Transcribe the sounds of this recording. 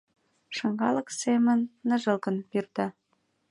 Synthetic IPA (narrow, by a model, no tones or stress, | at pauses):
ʃɤ̆ŋɡɑlɤ̆ksemə̆nːə̆ʒəlkə̆npirt̪ɑ